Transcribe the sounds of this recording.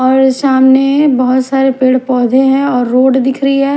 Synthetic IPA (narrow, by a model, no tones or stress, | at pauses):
ɔːɾsaːmnebɐɦʊt̪saːɾepeːɽpɔːd̪ʱẽɦɛ̃ɔːɾːoːɖd̪ɪkʰɾəiɦɛː